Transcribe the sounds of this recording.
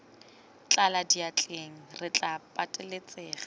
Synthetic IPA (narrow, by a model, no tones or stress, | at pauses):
t͡ɬʼaladiat͡ɬʼeŋ̩rɪt͡ɬʼapʼatʼɪlet͡sʼeːχḁ